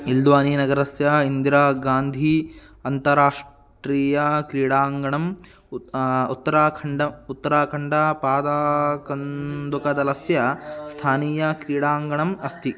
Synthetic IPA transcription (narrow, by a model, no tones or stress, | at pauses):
ild̪ʋaːniːnɐɡɐɾɐsjɐind̪ɾaːɡaːnd̪ʱi | ɐnt̪ɐɾaːʂ | ʈɾiːjɐkɾiːɽaːŋɡɐɳɐm | ut̪ːɐɾaːkʰɐɳɖɐut̪ːɐɾaːkʰɐɳɖɐpaːd̪akɐnd̪ukɐd̪ɐlɐsjɐst̪ʰaːniːjɐkɾiːɽaːŋɡɐɳɐmɐst̪i